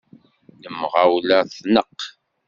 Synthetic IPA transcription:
nəmʁawlæθnəq

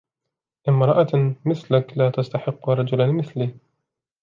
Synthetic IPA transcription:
ʔɪmmɾˤɑʔɑmɪθlaklaːt̪ast̪aħɪqːɾˤɑd͡ʒʊlanmɪθliː

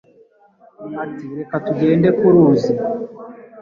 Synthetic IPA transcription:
atiɾekatuɡe̞ːndekuɾuːzi

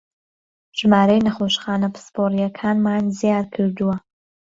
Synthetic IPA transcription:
ʒ̥maːɾɐjnɐχoːʃχaːnɐpɨ̥spʰoːɾijɐkʰaːnmaːnzijaːɾkʰɨɾd̪uwɐ

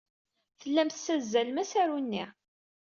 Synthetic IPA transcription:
θəlːæmθsæzːælmæsæɾunːi

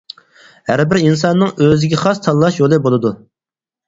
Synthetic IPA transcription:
hæɾbɪɾins̬ɑnːɨŋøzɪɡʲɛχɑst̪ʰɑlːˠɑʃjolˠɨbolˠɨd̪u

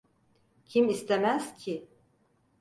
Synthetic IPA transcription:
cʰimist̪ʰemæscʰi

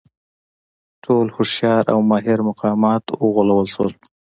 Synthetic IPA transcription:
ʈʰolhʊʃjɑɾʔa̰wmɑɦɪɾmʊqɑmɑt̪wəɣʊlawəlʃwəl

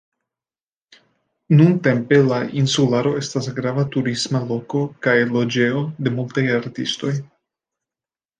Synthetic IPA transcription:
nunte̞mpe̞laʔinsulaɾo̞e̞stasɡɾavatuɾismalo̞ko̞kajlo̞d͡ʒe̞ode̞multajaɾtḭsto̞j

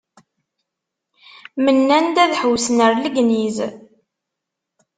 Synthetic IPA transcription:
mənːænd̪æðħəwsnəɾləɡniz

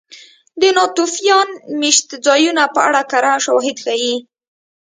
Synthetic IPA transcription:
d̪ənɑt̪ufijɑnmiʃt̪d͡zɑjunapəaɽakaɾaʃawɦɪd̪xaji

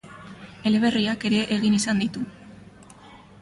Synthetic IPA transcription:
e̞le̞β̞e̞riake̞ɾe̞ʔːɣinisand̪it̪u

